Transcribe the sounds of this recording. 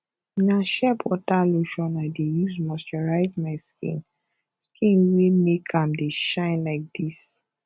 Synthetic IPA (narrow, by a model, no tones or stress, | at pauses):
minaʃɛpɔtaloʃɔ̃nadejuzmɔstɔɹaɪzmaɪskʰḭ̃n | skʰĩnwemekʰãmdeʃãɪ̃nlaɪk̚d̥is